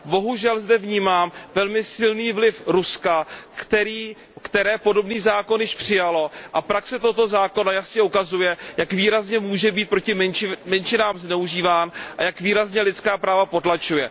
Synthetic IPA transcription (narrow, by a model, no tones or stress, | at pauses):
bo̞ɦuʒɛlzdɛvɲiːmaːmvɛlmɪsɪlniːvlɪfɾuskakt̪ɛɾiː | kt̪ɛɾɛːpo̞do̞bniːzaːko̞njɪʃpr̥ɪjalo̞ʔapɾaksɛt̪ot̪o̞zaːko̞najasɲɛʔukazujɛjakviːɾazɲɛmuːʒɛbiːt̪̚pɾo̞cɪmmɛnt͡ʃɪnaːmznɛuʒiːvaːnʔa̰jakviːɾazɲɛlɪt̪t͡skaːpɾaːvapo̞t̪lat͡ʃujɛ